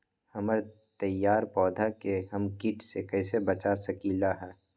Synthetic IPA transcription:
hɐməɾ | t̪ɐjːaːɾpɔːd̪ʱakeɦɐmkɪʈsekɛːsebɐt͡ʃasɐkiːlaɦɛː

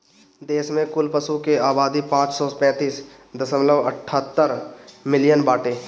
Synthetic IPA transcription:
d̪eːʃmẽkʊlpəsukeaːbaːd̪ipãːt͡ʃsɔpɛ̃ːt̪iːs | d̪ɐsəmləʋəʈʰːəːt̪ːəɾmɪlɪjənbaːʈeː

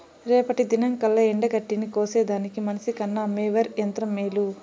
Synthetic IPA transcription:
ɾɛːpɐʈid̪inɐŋkɐlːɐeɳɖɐɡɐʈːinikoːseːd̪aːnikimɐnɐsikɐnːɐmeːʋɐɾjɐnt̪ɾɐmːeːlu

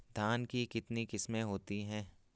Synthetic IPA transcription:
d̪ʱaːnkikɪt̪nikɪsmẽɦoːt̪iɦɛ̃ː

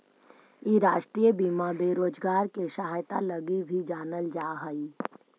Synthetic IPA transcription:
iɾaːʃʈɾiːjəbimabeːɾoːd͡ʒɡaːɾkeʃaɦajt̪a̰ləɡibʱid͡ʒaːnəld͡ʒaːɦəi

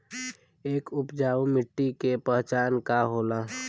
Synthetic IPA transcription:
eːkʊpd͡ʒaːumɪʈːikepəɦt͡ʃaːnkaɦoːla

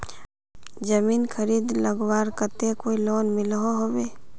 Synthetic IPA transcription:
d͡ʒəmiːnkʰəɾiːd̪ləɡwaːɾkət̪ekoːiloːnmɪlɦoɦoweː

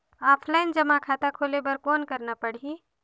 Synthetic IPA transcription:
aːpʰlaɪnd͡ʒəmakʰaːt̪akʰoːlebəɾkɔːnkəɾnapəɽi

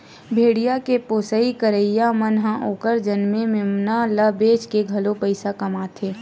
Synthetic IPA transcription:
bʱeːɽijakepoːsəikəɾəɪjamənɦãʔoːkəɾd͡ʒɐnmẽmɪmnaləbeːt͡ʃkeɡʱɐlopəɪsakɐmaːt̪ʰeː

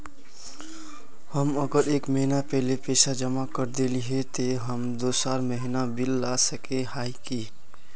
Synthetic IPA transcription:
həməɡəɾekməɦinapɛɦlepesad͡ʒəmakəɾd̪eliɦet̪eɦəmd̪osaɾməɦinabilːasəkehajki

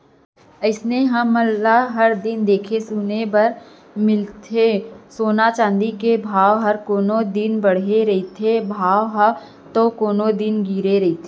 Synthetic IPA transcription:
əɪsneɦɐmːɐlːaɦɐɾd̪ɪnd̪eːkʰesuːnebɐɾ | mɪlt̪ʰesoːnat͡ʃãːnd̪ikebʱaːʋɦɐɾkoːnod̪ɪnbɐɽ̤eɾɐɦit̪ʰebʱaːʋɦ | t̪okoːnod̪ɪnɡiːɾeɾɐit̪ʰeː

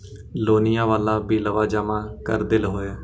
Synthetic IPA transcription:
loːnɪjãːʋaːlaːbiːləʋaːd͡ʒaːmãːkə̰ɾd̪elɦoːaː

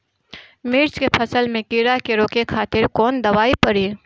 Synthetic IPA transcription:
mɪɾt͡ʃkepʰəsəlmẽkiɾakeɾoːkekʰaːt̪ɪɾkɔːnd̪ɐʋaːipɐɽiː

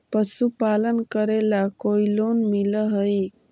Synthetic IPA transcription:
pəsupaːlənkəɾelakoiloːnmiləɦəi

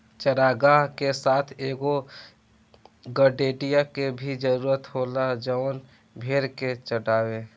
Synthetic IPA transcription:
t͡ʃəɽaːɡaːɦkesaːt̪ʰeːɡo | ɡəɖeːɖijakebʱid͡ʒəɾuːɾət̪ɦoːlad͡ʒəːn | bʱeːɾket͡ʃəɽaːweː

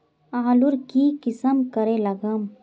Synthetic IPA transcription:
aɦluɾkikɪsəmkəɾelɐɡəm

